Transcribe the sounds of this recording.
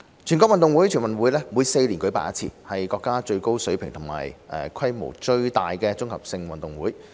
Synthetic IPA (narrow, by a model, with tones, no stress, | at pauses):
t͡ʃʰy˨˩nkʷɔː˧˥kwɐ˨nt̪ʊ˨ŋwu˨˥jt͡ʃʰyː˨˩nwɐ˨nwuː˨˥jlɛː˥muː˨˧jse˧jliː˨˩nkɵ˨˥ɥpa̰ː˧˨jɐ̰˦˥t͡sʰḭː˧hɐ˨jkɔː˧kːaː˥t͡ʃɵ˧ɥko˥wsɵ˨˥ɥpʰɪ˨ŋt̪ʰʊ˨˩ŋma̰ː˨˩jʔɛ̰ː˨˩kʰɐ˥jmo̰˨˩wt͡ʃɵ˧ɥt̪aː˨jkɛː˧t͡sʊ˥ŋhɐ˨p̚sɪ˧ŋwɐ˨nt̪ʊ˨˩ŋwuː˨˥j